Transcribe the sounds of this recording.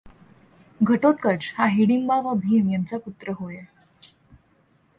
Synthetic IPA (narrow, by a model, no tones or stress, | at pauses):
ɡʱəʈot̪̚kət͡ɕhaɦiɽimbaʋabʱiːmjant͡saput̪ɾəɦoj